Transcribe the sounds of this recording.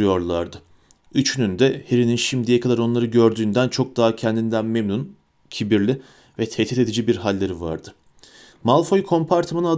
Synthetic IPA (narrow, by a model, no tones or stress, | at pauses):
jo̞ɾlˠaɾd̪ɯ | yt͡ʃʰynynd̪ɛheɾininʃimd̪ijɛkʰad̪aɾo̞nlˠaɾɯɟø̞ɾd̪yːnd̪ænt͡ʃʰo̞k̚d̪aːacʰɛnd̪ind̪ænmemnun | cʰibiɾlʲi | vɛt̪ʰet̪ʰit̪e̞d̪id͡ʒibiɾɦalʲːe̞ɾiva̰ɾd̪ɯ | malˠfo̞jkʰo̞mpʰaɾt̪ʰɯmanana